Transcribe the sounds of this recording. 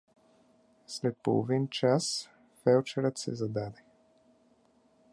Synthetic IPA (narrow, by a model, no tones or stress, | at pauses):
slɛt̪̚po̰lˠo̰vint͡ʃas | fɛlt͡ʃɛɾət̪sɛ̰zad̪ad̪ɛ